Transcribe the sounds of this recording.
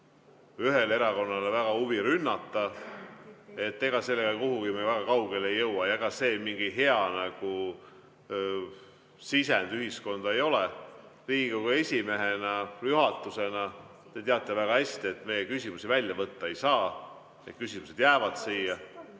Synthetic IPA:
yɦe̞le̞ɾɑko̞nːɑlevæɡ̥ɑuviɾynːɑt̪ːɑ | e̞t̪ːeɡ̥ɑse̞lːe̞ɡɑkuɦuɡ̥imejvæɡ̥ɑkɑwɡ̥e̞lejːɤwwɑjɑeɡ̥ɑse̞ːmiŋɡiɦe̞ɑnɑɡ̥u | sisend̪yɦhisko̞nd̪̥ɑe̞jo̞leriːɡiɡokue̞sʲime̞ɦenɑjuɦɑt̪ːˑuse̞nɑ | t̪e̞t̪eɑt̪ːˑevæɡ̥ɑhæsʲt̪ie̞t̪ːme̞jekysʲimusivælʲjɑvɤt̪ːɑe̞jsɑː | et̪̚kysimuse̞d̪̥jæːvɑd̪̥siːjɑ

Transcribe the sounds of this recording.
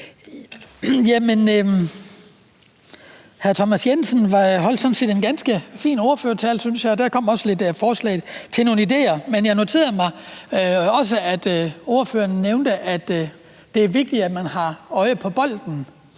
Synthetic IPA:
jæmen | hæɐt͡sʰɒmæsjensənʋɑ̈ɦɒ̽l̰d̥sɒ̽n̩se̝̰ːd̥enɡ̥ænsɡ̥əfḭːno̝ɐføɐt͡sʰɛlsynsjɑɪɒ̽d̥æɐkʰɒ̽m̰ɒ̽səle̝d̥əfɒːslɛ̰ːɪt͡sʰe̝no̝ːnəide̝̰ːɐmenjɑ̈ɪno̝t͡sʰe̝̰ːɐmɑ̈ɪ | ɒ̽s̬əæd̥o̝ɐføːɐnneʊnd̥əʔæd̥ | d̥e̝æɐʋe̝ɡ̥̚d̥i̥æd̥mænhɑ̈ɒ̽ɪəpʰɒ̽b̥ɒ̽l̰d̥n̩

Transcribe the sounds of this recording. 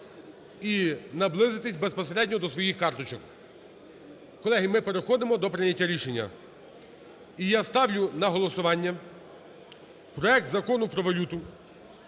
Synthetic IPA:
inɐblˠɪzɪt̪ɪsʲbespɔseɾɛdʲnʲɔd̪ɔsʋɔjixkɑrt̪ɔt͡ʃɔk | kɔlˠɛɦɪmɪpeɾexɔd̪ɪmɔd̪ɔpɾɪnʲɐtʲːaɾʲiʃenʲːɐ̰ | ijast̪ɑwlʲʊnɐɦɔlˠɔsʊʋɑnʲːɐ | pɾɔɛk̚t̪zɐkɔnʊpɾɔʋɐlʲut̪ʊ

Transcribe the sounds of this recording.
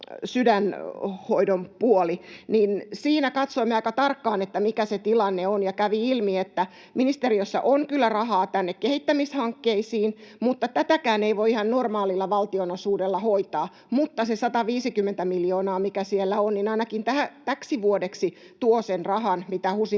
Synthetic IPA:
sydænhoidompuoliniːnsiːnækɑt̪soimːeɑikɑt̪ɑrkːɑːnet̪ːæmikæset̪ilɑnːeonjɑkæʋiilmiet̪ːæ | minist̪eriøsːɑ̰ʔoŋkylːærɑɦɑːt̪ænːekkehit̪ːæmishɑŋkːeisiːnmut̪ːɑt̪æt̪ækæːneiʋoiihɑnnormɑːlilːɑʋɑlt̪ionosuːdelːɑhoit̪ɑː | mut̪ːɑsesɑt̪ɑʋiːsikymːent̪æmiljoːnɑːmikæsielːæonninɑinɑkint̪ææt̪æksiʋuodeksi | t̪uosenrɑhɑnmit̪æhusi

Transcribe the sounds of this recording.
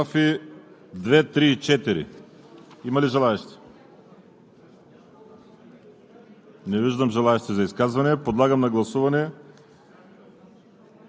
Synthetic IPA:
afi | d̪vɛt̪ɾiːt͡ʃɛt̪iɾḭ | imɐliʒɛlˠaɛʃt̪ɛ̥ | nɛviʒd̪ɐmʒɛlˠaɛʃt̪ɛzɐiskazvɐnɛpod̪lˠaɡɐmnɐɡlˠɐsuvɐnɛ

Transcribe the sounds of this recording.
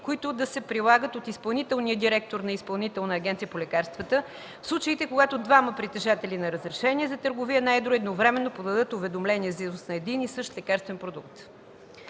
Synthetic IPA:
koit̪ʊd̪ɐsɛpɾilˠaɡət̪ot̪ispɐlˠnit̪ɛlˠniəd̪iɾɛk̚t̪oɾnɐispɐlˠnit̪ɛlˠnəːɡʲɛnt̪sijəpolʲɛkaɾst̪vət̪ə | fslˠut͡ʃəit̪ɛkoɡat̪od̪vaməpɾit̪ɛʒat̪ɛlinɐɾəzɾɛʃɛnʲiɛzɐt̪əɾɡovijənajd̪ɾʊɛd̪novɾɛmɛnːopod̪ɐd̪ɤt̪ʊvɛd̪omlɛniɛzizusnɐɛd̪inisɤʃt̪lɛkaɾst̪vɛnpɾod̪ukt̪

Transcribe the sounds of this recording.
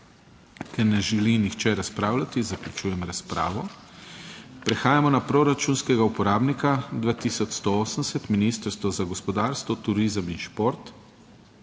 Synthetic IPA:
kɛɾnɛʒɛlinixt͡ʃɛɾaspɾaːwlʲat̪izaklʲut͡ʃuːjɛmɾaspɾa̰ːʋɔ | pɾɛxaːjamɔnapɾoɾat͡ʃunskɛɡaupɔɾaːbnikad̪ʋaːt̪isɔt͡ʃ̪st̪ooːsənsɛt̪minist̪əɾst̪ʋɔzaɡɔspɔd̪aːɾst̪ʋɔt̪uɾiːzəminʃpoɾt̪

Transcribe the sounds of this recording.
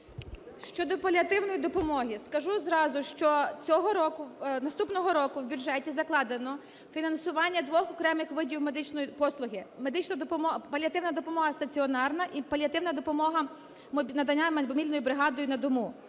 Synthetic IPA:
ʃt͡ʃɔd̪ɔpɐlʲɐt̪ɪwnɔjid̪ɔpɔmɔɦiskɐʒuzrɑzʊʃt͡ʃɔt͡sʲɔɦɔɾɔkʊnɐst̪upnɔɦɔɾɔkʊwbʲuʒɛtʲizɐklˠɑd̪enɔ | fʲinɐnsʊʋɑnʲːɐd̪ʋɔxɔkɾɛmɪxʋɪdʲiwmed̪ɪt͡ʃnɔjipɔslˠʊɦɪmed̪ɪt͡ʃnɐd̪ɔpɔmɔpɐlʲiɐt̪ɪwnɐd̪ɔpɔmɔɦɐst̪ɐt͡sʲiɔnɑrnɐʔipɐlʲɐt̪ɪwnɐd̪ɔpɔmɔɦɐ | mʲnɐd̪ɐnʲːamɔmʲilʲnɔjibɾɪɦɑd̪ɔjʊnɐd̪ɔmu

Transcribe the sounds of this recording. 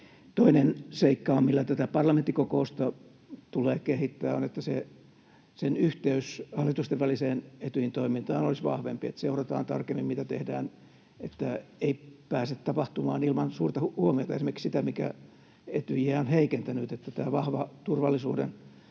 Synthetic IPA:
t̪oinenseikːɑommilːæt̪æt̪æpɑrlɑment̪ːikokoust̪ɑ | t̪uleːkehit̪ːæːonet̪ːæse | senyht̪eyshɑlːit̪ust̪eʋʋæliseːnet̪yhint̪oimint̪ɑːnolisʋɑ̰hʋḛmpiḛt̪seurɑt̪ɑ̰ːnt̪ɑ̰rkemːimmit̪æt̪ḛhdæ̰ːn | et̪ːæeipæːset̪t̪ɑpɑht̪umɑ̰ːnilmɑnsuːrt̪ɑhuomiot̪ɑesimerkiksit̪æmikæ̰ | et̪yjæonheikent̪ænyt̪et̪ːæt̪æːʋɑhʋɑt̪urʋɑlːisṵːdḛn

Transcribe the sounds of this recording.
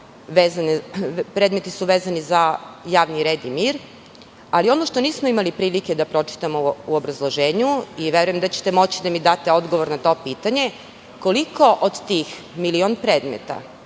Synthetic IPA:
ʋeːzanepɾe̞ːd̪me̞t̪isuʋeːzanizajaːʋniɾe̞ːd̪imiːɾ | alio̞noʃt̪o̞niːsmoimalipɾiːlike̞d̪apɾo̞t͡ʃi̥t̪amouobɾazlˠoʒeːɲuiʋeɾujemd̪at͡ɕe̥t̪emo̞t͡ɕid̪amid̪at̪eo̞d̪ɡo̞ʋo̞ɾnat̪o̞ːpiːt̪aɲe̞ | ko̞liko̞ʔod̪t̪ix | milionpɾeːd̪mḛt̪a̰

